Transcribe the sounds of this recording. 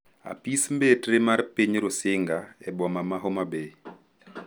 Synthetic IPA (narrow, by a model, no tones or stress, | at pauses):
a̰pismbetremarpiɲɾosɪŋɡaɛbɔmamaɦomabe